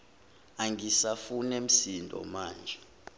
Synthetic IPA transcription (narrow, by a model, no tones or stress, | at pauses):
aŋɡisafunem̩sindʱɔ̰maːnd͡ʒʱɛ